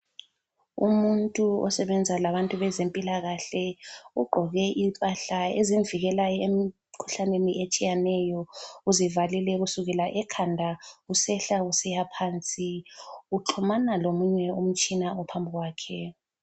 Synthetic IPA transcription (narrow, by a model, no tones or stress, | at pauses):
ṵmuntʼuɔ̰sɛβɛnd͡zʱalaβantʼuβɛzempʼilaɣaɬɛuɡ͡ǃʱɔɣɛʔipʼaɬaeziɱviɣɛlajɔemi | kʰu̥ɬaneniʔet͡ʃʼijanɛjɔuzivalilɛɣusuɣɛlaʔɛkʰandʱausɛɬausɛjapʰaːnt͡sʼiuǁʰumanalomuɲɛum̩t͡ʃʼinaɔpʰambʱiɣwaːkʰɛ